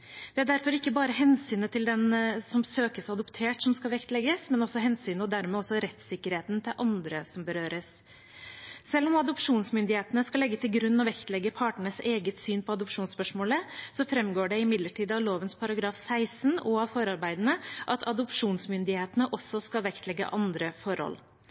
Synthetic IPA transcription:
d̪̥ɛæɖæɾfɔɾɪkːəbɑːɾəɦɛnsyːnət̪ʰɪld̪ɛnsɔmsøːkəsɑd̪ʊpt̪ʰeːʈsɔmskɑlʋɛkt̪lɛɡəsmɛnɔsɔɦɛnsyːnəɔd̪æɾmɛːɔsɔɾɛt̪sɪkːəɾheːt̪nt̪ʰɪlʔɑnd̪ɾəsɔmbəɾøːɾəs | ɛlːɔmɑd̪ʊpʂuːnsmʏnd̪ɪheːt̪ənəskɑlɛɡːət̪ʰɪlɡɾʉnːɔʋɛkt̪lɛɡːəpʰɑːʈəɳəseːɡət̪syːnpʰɔɑd̪ʊpʂuːnspœʂmoːləsɔfɾɛmɡoːɖɛɪmɪd̪ləʈʰiːd̪ɑʋloːʋənspʰɑɾɑɡɾɑːfsæɪsnɔɑʋfɔɾɑɾbæɪd̪ənəʔɑt̪ʰɑd̪ʊpʂuːnsmʏnd̪ɪheːt̪ənəʔɔsːɔskɑlʋɛkt̪ʰlɛɡːə̰ʔɑnd̪ɾəfɔɾhɔ̰l

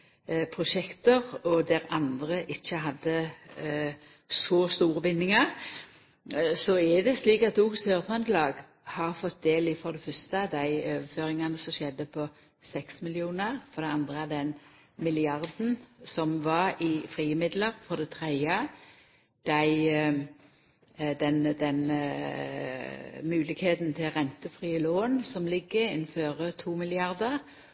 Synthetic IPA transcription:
pʰʁʊʃɛkt̪əʁɔd̪æɾɑnd̪ʁəʔɪçːəɦɑd̪ːə | sɔst̪uːʁəbɪnːɪŋəʁ | sɔɛd̪ɛsliːkɑt̪̚ːuɡsøːʁt̪ʰʁɑnd̪lɑːɡ | hɑʁfɔt̪̚d̪eːlɪfɔɾd̪ɛfœst̪əd̪æɪøːʋəføːʁɪŋɑnəsɔmʃɛd̪ːəpʰɔ | sɛksmɪlɪuːnəʁfɔɾd̪ɛɑnd̪ʁəæʁd̪ɛn | mɪlɪɑʁd̪n̩sɔmʋɑʁɪfʁiːəmɪd̪ləʁfɔʁd̪ɛt̪ʰʁeə | d̪̥æɪ | d̪ɛnd̪ɛn | mʉːlɪɡheːt̪n̩t̪ʰɪlʁɛnt̪əfʁiːəloːnsɔmlɪɡːəɪnføːʁət̪ʰuːmɪlɪɑʁd̪əʁ

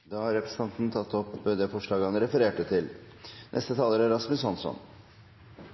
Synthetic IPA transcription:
d̪ɑːhɑɾɛpɾɛsə̥ɑnt̪n̩t̪ʰɑt̪ːɔpd̪eːfɔʂɭɑːɡɑnəɾɛfəɾeːʈət̪ʰɪl | nʔɛ̰st̪ət̪ʰɑːləɾæɾɑsmʉshɑnsɔ̰n

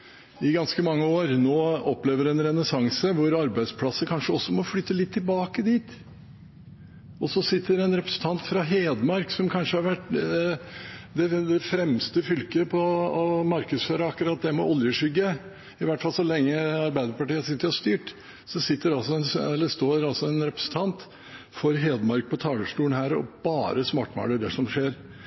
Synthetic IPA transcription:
ɪɡɑnskəmɑŋːəoːɾnoːɔpːleːʋəɾɛnɾɛnəsɑŋsəʋʊɾɑɾbæɪd̪spʰlɑsəkʰɑnʂəɔsɔmɔfɽʏt̪ːəlɪt̪ʰːɪlbɑːkəd̪iːt̪ | ɔsɔsɪt̪ːəɾɛnɾɛpɾə̥sən̩t̪ʰɑnt̪fɾɑɦeːd̪mɑɾksɔmkʰɑnʂəhɑɾʋæʈː | d̪ɛd̪ɛfɾɛmst̪əfʏlkəpʰɔɔmɑɾkəd̪sføːɾəɑkːʉɾɑːt̪̚d̪ɛmɔʔɔljəʂʏɡːə | ɪʋæʈfɑlsɔlɛŋːəɑɾbæɪd̪əɾpɑʈiːət̪sɪt̪ːəɾɔst̪yːʈ | sɔsɪt̪ːəɾɑlsɔɛnɛlːəst̪oːɾɑlsɔɛnɾɛpɾə̥sən̩t̪ʰɑnt̪ | fɔɾɦeːd̪mɑɾk̚pʰɔt̪ʰɑːɡ̪əʂʈuːənhæːɾɔ̰b̥ɑːɾəsmɑːʈːmɑ̰ːləɖ̪ɛʂɔmʂeːɾ

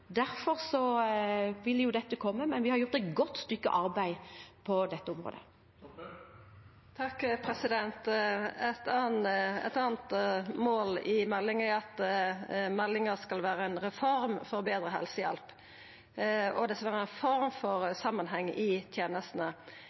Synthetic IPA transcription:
d̪æɾfɔɾsɔ | ʋɪljʊd̪ɛt̪ːəkʰɔmːəmɛnʋɪhɑɾjʊʁt̪ɛɪt̪ɡɔt̪ːst̪ʏkːə̰ʔɑɾbæɪpʰɔd̪ɛt̪ːəʊmɾo̰ːd̪ə̰ | t̪ʰɑkːpʰɾɛsɪd̪ɛnt̪ɛt̪ɑːnɛ̰t̪ɑːnt̪moːlɪmɛlːɪŋɛɑt̪ | mɛlːɪŋəɾskɑlʋæːɾəɛɪnʁɛfɔɾmfɔɾbeːd̪ɾəɦɛ̰lsəjɛ̰lp | ɔd̪ɛskɑlʋæːɾəɛnfɔɾmfɔɾsɑmːənɦɛŋːʔɪt̪ʰjeːnəst̪n̩ə

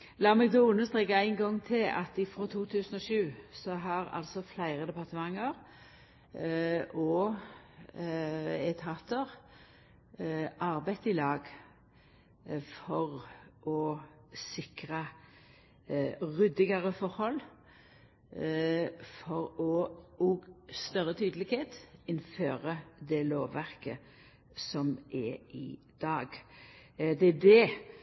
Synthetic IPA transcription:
lɑːɾmɛːɡd̪oːʊnːəst̪ʁeːkɑæɪnɡɔŋːt̪ʰɪlɑ̰t̪ɪfɾoːt̪ʰuːt̪ʰʉːsənɔʃʉːsɔɦɑʁɑ̰lsɔflæɪʁəd̪ɛpɑʁt̪əmɑŋːəʁ | ʔɔ | ɛt̪ʰɑːt̪əʁ | ʔɑɾbæɪt̪ɪlɑːɡ | fɔʁʔɔ | sɪkʁə | ʁʏd̪ɪɡɑʁəfɔʁhɔlː | fɔʁɔɔst̪œʁət̪ʰyːd̪əlɪɡheːt̪ɪnføːʁəd̪ɛloːʋʋæʁkə | sɔmʔɛɪ̰ | d̪ɑːɡ | d̪ɛæd̪ɛ

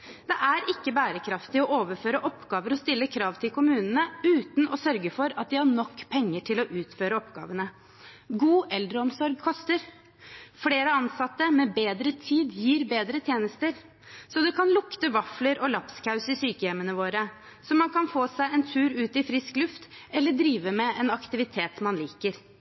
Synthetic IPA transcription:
d̪ɛʔæɾʔɪkːəbæːɾəkʰɾɑft̪ɪɔʔoːʋəɾføːɾəʔɔpːɡɑːʋəɾɔst̪ɪlːəkʰɾɑːʋt̪ʰɪlkʰʊmʉːnənəʉːt̪nʔɔsœɾɡəfɔɾɑt̪̚d̪ɪhɑɳɔkːpʰɛŋːəʈʰɪlɔʔʉːt̪føːɾəɔpɡ̥ɑ̰ːʋənə | ɡuːʔɛld̪ɾəɔmsɔɾɡ̚kʰɔst̪əɾ | fleːɾəɑnsɑt̪ːəmɛbeːd̪ɾət̪ʰiːd̪jiːɾbeːd̪ɾət̪ʰjeːnəst̪əɾ | sɔd̪ɛkʰɑnlʊkt̪əʋɑfləɾʔɔlɑpskʰɑʉsɪsyːkəjɛmənəʋoːɾə | sɔmɑnkʰɑnfoːsæɪɛnt̪ʰʉːɾʉːt̪ɪfɾɪsklʉft̪ɛlːəɖɾiːʋəmɛɛnɑkt̪ɪʋɪt̪ʰeːt̪mɑnliːkəɾ

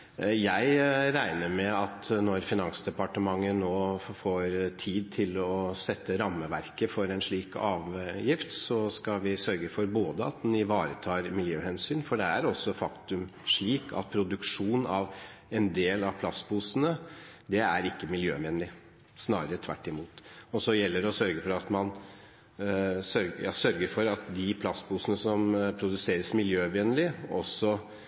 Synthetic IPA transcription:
jæɪɾæɪnəɾmɛɑt̪nɔɾfɪnɑnsd̪ɛpɑʈəmɑŋːənoːfoːɾt̪ʰiːd̪̚t̪ʰɪlɔsɛt̪ʰːəɾɑmːəʋæɾkəfɔɾɛnʂɭiːkɑːʋjɪft̪sɔskɑʋɪsœɾɡəfɔɾboːd̪əɑ̰t̪̚d̪ɛnɪʋɑːɾət̪ʰɑːɾmɪljøːhɛnsyːnfɔɖɛæɾɔsːɔfɑkt̪ʉmʂɭiːkʰɑ̰t̪̚pʰɾʊd̪ʉkʂuːnɑʋɛnd̪eːlɑʋpʰlɑst̪buːsənəd̪ɛæ̰ɾɪkːəmɪljø̰ːʋɛnlɪ | snɑːɾəɾət̪ʰʋæ̰ʈːɪmuːt̪ɔsɔjɛlːəɖɔsœɾɡəfɔɾɑt̪mɑn | sœɾɡjɑ̰sœɾɡəɾfɔɾɑt̪d̪ɪpʰlɑsbuːsənəsɔmpʰɾʊd̪ʉseːɾəsmɪljøːʋɛnlɪɔ̰sːɔ

